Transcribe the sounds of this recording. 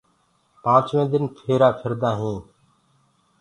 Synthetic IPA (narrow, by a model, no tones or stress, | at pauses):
pãːt͡ʃʋẽːd̪ɪnpʰeːɾaːpʰəɾd̪ãːɦĩː